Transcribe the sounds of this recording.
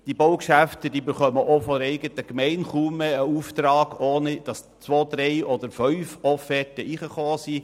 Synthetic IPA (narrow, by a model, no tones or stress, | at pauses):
d̥ibowkʃæft̪əd̥iːbɪχœməʔofɔɛɪɡət̪əkmɛɪnχuməːuːft̪ɾɑːɡ̥oːnid̥ɑs | t͡sʋoːd̪ɾɛɪʔɔd̪əɾfœʏfɔfɛtəiːχəχoːsiː